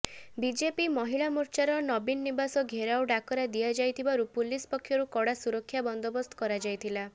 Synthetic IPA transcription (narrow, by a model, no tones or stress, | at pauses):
bid͡ʒepimɔɦiɭamuɾt͡ʃaɾɔnɔbinːibasɔɡʱeɾawɖakɔɾad̪ijad͡ʒajt̪ʰibaɾupulispɔkʰːjɔɾukɔɽasuɾɔkʰjabɔnd̪ɔbɔst̪ʰɔ̥kɔɾad͡ʒajt̪ʰila